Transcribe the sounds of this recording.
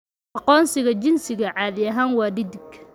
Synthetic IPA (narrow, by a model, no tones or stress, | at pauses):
ʔɑqɔːnsɪɣɐt͡ʃɪnsɪɣɐʕɑːðɪjɐɦaːnwɑːɖɪd̪ɪɡ